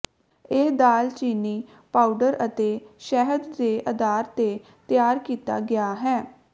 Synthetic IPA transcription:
ɪd̪aːlt͡ʃiːniː | paːuɖəɾət̪eːʃɛɦəd̪ːeːʔəd̪aːɾt̪eː | t̪ɪjaːɾkiːt̪a̰ːɡɪaːɦɛː

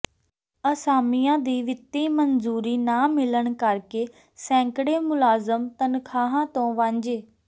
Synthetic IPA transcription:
əsaːmɪjãːd̪iːʋɪt̪ːiːmənzuːɾiːnaːmɪləɳ̃kəɾkeː | sɛ̃ːŋkəɽeːmʊlaːzəmt̪ənkʰaːɦãːt̪õːʋãːɲd͡ʒeː

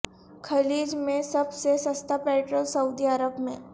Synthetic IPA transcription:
kʰɐliːd͡ʒmẽsɐbsesɐst̪ʰapɛːʈɾolsɐud̪iəɾəbmẽː

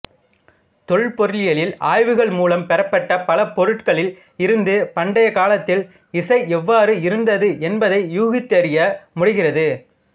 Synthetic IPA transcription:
t̪ɔɭpɔɾɪlɪjɐlɪlaːjʋɯɣɐɭmuːlɐmpɛɾɐpːɐʈːɐpɐlɐpɔɾɯʈkɐɭɪl | ɪɾɯnd̪ɯpɐɳɖɐjɐkaːlɐt̪ːɪl | ɪsɐɪɛʋːaːɾɯɪɾɯnd̪ɐðɯʔɛnbɐðɐɪjuːɣɪt̪ːɐɾɪjɐmʊɽɯɣɪrɐðɯ

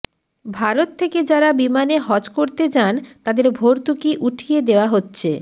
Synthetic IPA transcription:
bʱaɾot̪ʰːeked͡ʑaɾabimaneɦɔd͡ʑkoɾt̪ed͡ʑant̪ad̪eɾbʱoɾt̪ukiʔuʈʰijed̪eoaɦotːɕʰe

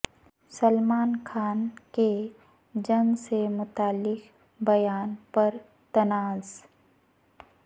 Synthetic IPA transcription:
səlmaːnkʰaːnke | d͡ʒɐŋsemʊt̪aːlːɪk | bɐjaːnpɐɾ | t̪ɐnaːz

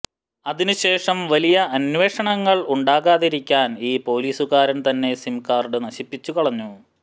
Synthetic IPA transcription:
ɐðinuɕe̞ːʂɐmʋɐlijɐʔɐnʋe̞ːʂɐɳɐŋːɐɭuɳɖaːɣaːðiɾikʲːaːniːpo̞ːliːsuɣaːɾɐnt̪ɐnːe̞simkaːrɖɨnɐɕipːit͡ɕːukɐɭɐɲːu

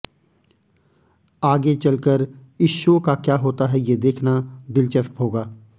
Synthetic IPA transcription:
aːɡet͡ʃɐlkəɾɪʃokakjaːɦoːt̪aɦɛjed̪eːkʰnad̪ɪlt͡ʃəfʈɦoːɡaː

